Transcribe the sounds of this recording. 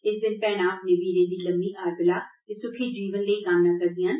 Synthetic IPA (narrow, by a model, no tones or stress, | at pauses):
ɪsd̪ɪnpɛːɽ̃aːpnəbiːɾẽːd̪iːləmːiːʔaːɾbɪlaːt̪ɪsʊkʰiːd͡ʒiːʋənləiːkamnãːkəɾd̪ɪjaːn